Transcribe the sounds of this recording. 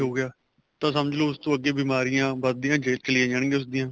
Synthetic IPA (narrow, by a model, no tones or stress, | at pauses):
ɦoːɡɪjaː | t̪ãːsəməd͡ʒloːʊst̪õːəɡːeːbiːmaːɾɪjãːbəd̪ijãːd͡ʒeːlt͡ʃəlɪãːd͡ʒəɳ̃ɡeːʊsd̪ɪjãː